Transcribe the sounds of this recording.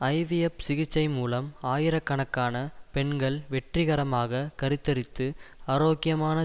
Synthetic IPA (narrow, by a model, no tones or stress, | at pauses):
ɐɪʋɪjɐpsɪɣɪt͡ʃːɐɪmuːlɐmaːjɪɾɐkːɐɳɐkːaːnɐpɛɳɡɐɭʋɛʈrɪɣɐɾɐmaːɣɐkɐɾɪt̪ːɐɾɪt̪ːɯɐːɾoːkɪjɐmaːnɐ